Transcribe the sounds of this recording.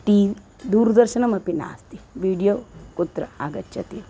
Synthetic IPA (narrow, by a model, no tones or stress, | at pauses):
ʈiː | d̪uːɾd̪ɐɾʃɐnɐmɐpina̰ːst̪iʋiːɖijoːkut̪ɾɐaːɡɐtːt͡ʃʰɐt̪i